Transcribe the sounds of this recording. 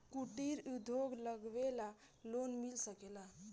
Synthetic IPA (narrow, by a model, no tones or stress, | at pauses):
kuʈiɾud̪ʱoɡləɡʋela | lonmilsəkela